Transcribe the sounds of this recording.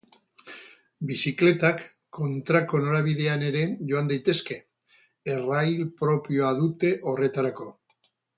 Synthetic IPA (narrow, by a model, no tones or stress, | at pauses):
bisikle̞t̪akː | o̞nt̪ɾako̞no̞ɾaβiðe̞ane̞ɾe̞ʝo̞and̪ajt̪e̞ske̞ | erajlpɾo̞pio̞aðut̪e̞ʔo̞re̞t̪aɾako̞